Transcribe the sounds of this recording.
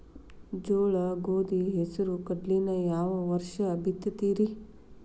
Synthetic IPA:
d͡ʒoːɭɐɡoːd̪iɦesɐɾukɐɖlinɐjaːʋɐʋɐɾʃɐːbʱit̪jɐt̪iːɾi

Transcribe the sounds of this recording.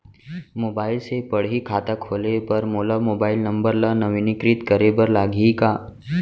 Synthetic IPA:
moːbaːɪlsepəɽɦikʰaːt̪akʰoːlepɐɾmoːlamoːbaːɪlnɐ̃mbəɾlanəʋinɪkɾɪt̪kəɾebəɾlaːɡʱikaː

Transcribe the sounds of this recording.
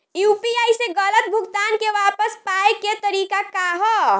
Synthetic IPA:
juːpiajseɡələt̪̚bʱuɡt̪aːnkeʋapəspaeket̪əɾiːkakaɦɔ

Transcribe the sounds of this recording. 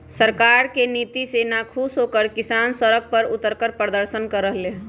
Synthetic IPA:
səɾkaɾkenit̪isenakʰusɦokəɾkisansəɾək̚pəɾut̪ːəɾkəɾpəɾd̪əɾsənkəɾəɦle

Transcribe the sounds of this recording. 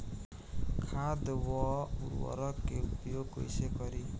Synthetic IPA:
kʰad̪wɔṵɾwɔ̰ɾɔkepijoɡo̰jsekɔɾi

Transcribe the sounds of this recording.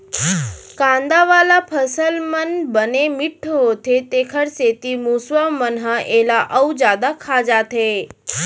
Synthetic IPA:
kãnd̪aʋalapʰəsəlmənbənemɪʈʰːɦot̪ʰet̪ekʰəɽset̪imusʋəmənɦəelaʔəwd͡ʒad̪akʰad͡ʒat̪ʰe

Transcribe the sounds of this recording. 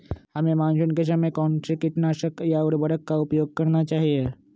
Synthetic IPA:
həmemãnsunkes̬əmekɔ̃ːnsekɪʈnaʃəkjaʊɾbəɾəkːaupjoːɡ̚kəɾnat͡ʃaːɦie

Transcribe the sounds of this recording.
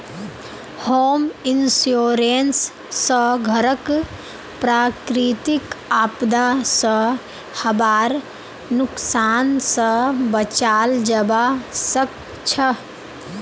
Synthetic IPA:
hoːminsjoːɾensː | əɡʱəɾək | pɾaːkɾit̪ikaːpd̪asə | hɐbaːɾ | nʊksaːnsəbət͡ʃaːld͡ʒəbasək̚ | t͡ʃʰə

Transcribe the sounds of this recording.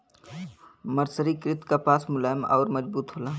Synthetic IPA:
məɾsəɾikɾɪt̪kapaːsmʊlaːmɔ̰ːɾməd͡ʒbuːt̪ɦoːlaː

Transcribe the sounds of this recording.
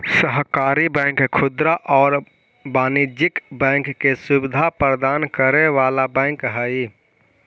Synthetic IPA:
səɦkaɾibɛ̃ŋkkʰud̪ɾaʔɔːɾ | baːnid͡ʒɪkbɛ̃ŋkːesubid̪ʱapɾəd̪aːnkəɾeʋalabɛ̃ŋkɦə

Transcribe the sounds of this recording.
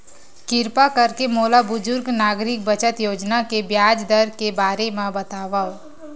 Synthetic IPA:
kɪɾpakɐɾkemoːlabʊzʊɾɡnaːɡɾɪk̚bət͡ʃət̪joːd͡ʒnakebjaːd͡ʒd̪əɾkebaːɾemẽbɐt̪aːʋao

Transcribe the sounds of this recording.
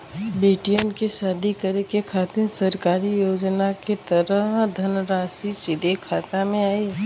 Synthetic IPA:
beːʈijənkeʃaːd̪ʱikɐɾekekʰaːt̪ɪnsɐɾkaːɾijoːd͡ʒnaket̪ɐɾəɦd̪ʱɐnɾaːsit͡ʃɪd̪ekʰaːt̪amẽaːi

